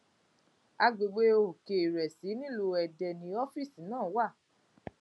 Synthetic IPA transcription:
a˧ɡ͡be˨ɡ͡be˧˦o˧ho˨ke˨i˨ɾɛ˨si˨˦nĩ˦lo˧ɛ˨dɛ˧˨nĩ˧ɔ˦fi˦˨sĩ˨˦nãː˦˨˦wa˦˨

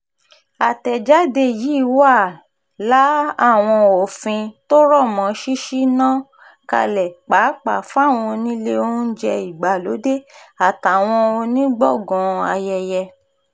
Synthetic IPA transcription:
a˨tɛ˨d͡ʒa˦de˧jiː˨˦˨wa˦˨ | la˨˦a˦˨w̃ɔ̃˧o˨fĩ˧to˦ɾɔ˦˨mɔ̃˨˦ʃi˦ʃi˦nã˦ | ka̰˧lɛ˨k͡pa˨˦k͡pa˨fa˦˨w̃ɔ̃˧nĩ˦le˦o˦n̩˦d͡ʒɛ˧i˨ɡ͡ba˨lo˨˦de˦a˨ta˨w̃ɔ̃˧o˧nĩ˦ɡ͡bɔ˦˨ɡɔ̃˨a̰˧jɛ˧jɛ˧

